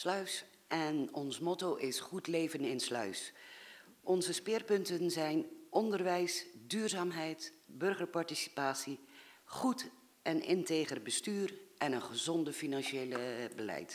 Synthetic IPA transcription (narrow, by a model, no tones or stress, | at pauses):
slœɥs | ʔɛnɔnsmɔtowʔɪsχutlejvənɪnslœ̰ɥs | ʔɔnzəspɪːrpɵntənzɛjnʔɔndərʋɛjsdyːrzaːmɦɛjtbɵrχəɹpɑɹtisi̥paːsiχut | ʔɛnɪnteːχərbəstyːrʔɛnənχəzɔndəfinɑnʃejləbəlɛ̰jt